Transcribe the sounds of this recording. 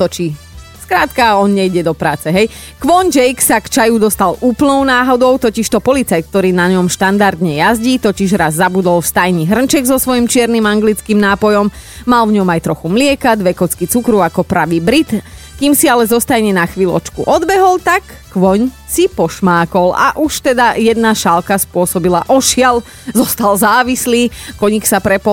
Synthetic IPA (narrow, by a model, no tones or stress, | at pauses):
t̪ɔt͡ʃi | skɾaːt̪kaɔnɲɛjɟɛd̪ɔpɾaːt͡sɛɦɛj | kʋɔɲd͡ʒɛjksakt͡ʃajud̪ɔst̪aluːpl̩nɔʊnaːɦɔd̪ɔʊt̪ɔciʃt̪ɔpɔlit͡saj̪k̚t̪ɔɾiːnaɲɔmʃt̪and̪aɾd̪ɲɛjazɟit̪ɔciʒɾazːabud̪ɔlfst̪ajɲiɦr̩nt͡ʃɛɡzɔsʋɔjimt͡ʃɪɛɾnimaŋɡlit͡skimnaːpɔjɔmmalvɲɔmajt̪ɾɔxumlɪɛkad̪ʋɛkɔt͡skit͡sukɾuakɔpɾaʋiːbɾit̪ | kimsialɛzɔst̪ajɲɛnaxʋilɔ̰t͡ʃkṵʔɔd̪bɛɦɔlˠt̪akːʋɔɲ | sipɔʃmaːkɔla̰ʔuʃt̪ɛd̪ajɛd̪naʃalkaspʊɔsɔbilaʔɔʃɪal | zɔst̪alzaːʋisliːkɔɲiksapɾɛpɔ